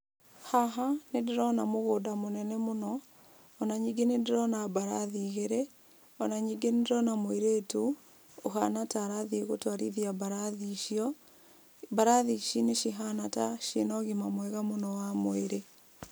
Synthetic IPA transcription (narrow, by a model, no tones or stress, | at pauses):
haɦanedeɾɔnamoɣoːdamonɛnɛmonɔː | naɲiɡenedeɾɔnabaɾaðiɣeɾe | ɔnaɲiɡenedeɾɔnamoeɾetu | oɦanataɾaðieɣotwaɾiðiabaɾaðiʃiɔ | baɾaðiʃineʃiɦanataʃenɔɣimamwɛɣamonɔwamoeɾe